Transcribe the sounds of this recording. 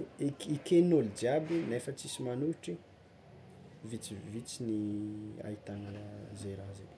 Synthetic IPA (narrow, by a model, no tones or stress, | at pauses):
kikenolid͡ʒiabinefət͡sisimanuʈ͡ʂi | vit͡sivit͡sinia̰it̪anəzeɾaze